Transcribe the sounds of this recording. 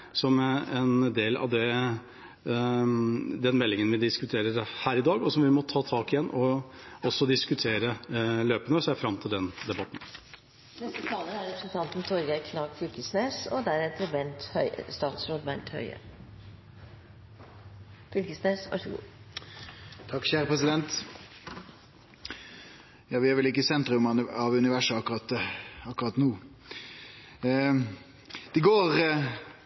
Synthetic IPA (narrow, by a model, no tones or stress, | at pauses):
sɔmɛnd̪eːlɑ̰ʋd̪ɛ | d̪ɛnmɛlːɪŋənʋɪd̪ɪskʉt̪ʰeːɾəɾhæːɾɪd̪ɑːɡɔsɔmʋɪmɔt̪ʰɑːt̪ʰɑːkɪjɛnːʔɔɔsːɔd̪ɪskʉt̪ʰeːɾəløːpənəsæɪfɾɑmt̪ʰɪld̪ɛnd̪ɛbɑt̪n̩ | nɛst̪ət̪ʰɑːləæɾɛpɾəsnt̪ʰɑnt̪n̩t̪ʰɔɾɡæɪkʰnɑːɡfʏlkəsneːsɔ̰d̪æɾɛt̪ɾəbɛnt̪hœʏ̰st̪ɑːt̪sɾoːd̪bænt̪hœ̰ʏə̰ | fʏlkəsneːsʋɑ̰ʂəɡṵː | t̪ʰɑkːɕæːɾəpʁɛsɪd̪ɛnt̪ | jɑːʋɪæɾʋɪlɪkːəsɛnt̪ɾʉmɑɑʋʉnɪʋæʂəɑkːʁɑt̪ɑkːʁɑt̪nuː | d̪̥ɛɡoːʁ